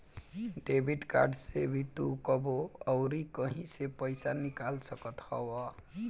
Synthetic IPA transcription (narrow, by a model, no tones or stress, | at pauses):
ɖebʱiʈka̰ɾɖsebʱit̪ukəboəwɾikəɦĩsepəjsanikalsəkət̪hɔ̰wɔ